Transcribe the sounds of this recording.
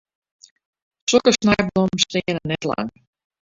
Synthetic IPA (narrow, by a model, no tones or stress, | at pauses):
sokəsnɛjblomstɪːənənɛtla̰ŋ